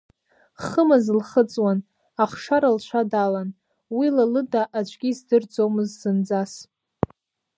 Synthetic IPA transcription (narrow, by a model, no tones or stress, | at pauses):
χəmazlχət͡sʼwan | aχʂaɾalʃʷʰadalan | wilalɨdaʔat͡ʃʷʼɡʲizdɨrd͡zomɨzzɨnd͡zas